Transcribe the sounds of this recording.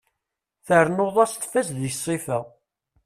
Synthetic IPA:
θəɾnoðˤɑst̪fæsðjsˤːifæ

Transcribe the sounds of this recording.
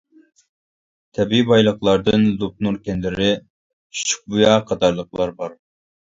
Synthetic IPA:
t̪ʰɛbibɑjlˠəχlˠɑɾd̪ɨnlup̚nuɾkʲɛnlɪɾɪ | ʃʰy̥t͡ʃʰy̥k̚bujɑqʰɑt̪ɑɾlˠəqlˠɑɾbɑɾ

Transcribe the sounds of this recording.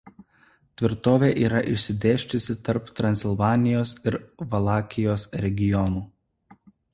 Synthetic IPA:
t̪ʲʋʲɪɾt̪oːʋʲeːʔiːɾɐʔɪʃʲsʲɪd̪ʲeːʃʲt͡ʃ̪ʲʊsʲɪt̪ɐɾpt̪ɾɐnʲsʲɪlˠʋɑːnʲɪjoːsɪɾʋɐlˠɑːkʲɪjoːsɾʲɛɡʲɪjɔnuː

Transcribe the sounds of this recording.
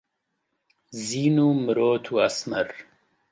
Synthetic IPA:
ziːnumɾoːt̪ʰuasmɐɾ

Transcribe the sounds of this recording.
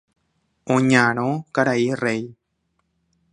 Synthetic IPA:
õɲãɾ̃õkaɾairej

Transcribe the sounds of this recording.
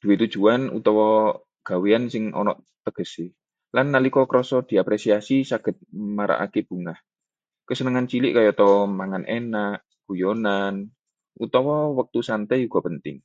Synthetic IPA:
d̪̥uwit̪ud̥ʒ̥uanṵt̪ɔwɔ | ɡ̥a̤weansɪŋɔ̰nɔ̰ʔ | t̪əɡ̥ə̤si | lanːalikɔkəɾɔsɔd̪̥i̤apɾesiasisaɡ̥ə̤t̪̚maɾa̰ʔa̰keb̥ṳŋah | kəsənəŋant͡ʃilɪʔkajot̪ɔwɔmaŋanʔenaʔ | ɡ̥ujonan | ut̪ɔwɔwək̚t̪usant̪ɛjuɡ̥ɔ̤pənt̪ɪ̰ŋ

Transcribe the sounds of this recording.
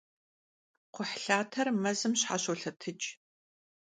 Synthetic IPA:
qʷʊħɬaːtʰɐrmɐzɨmɕħa̰ɕoɬɐtʰɨt͡ʃʼ

